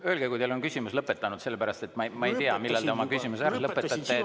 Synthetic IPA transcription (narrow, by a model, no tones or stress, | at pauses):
ø̞ːlɡekujt̪elonkysʲimuslɤpːˑe̞t̪ːˑɑnud̪se̞lːe̞pæɾɑst̪e̞t̪mɑmɑe̞jt̪iɑmilːɑld̪eo̞mɑkysʲimusæɾlɤpˑːet̪ːˑɑt̪ːe